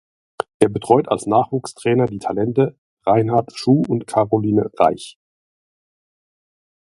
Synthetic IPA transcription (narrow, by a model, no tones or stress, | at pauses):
ʔeːɐbətʁ̥ɔʏtʰalsnaːχv̥uːkstʁ̥ɛːnɐdiːtʰalɛntə | ʁaɪnɦaɐtʃuːʊntkʰaʁoliːnəʁa̰ɪç